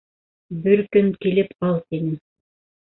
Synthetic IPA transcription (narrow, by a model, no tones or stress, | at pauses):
bɘɾkɵnkilɘpqɑlˠt̪inɘm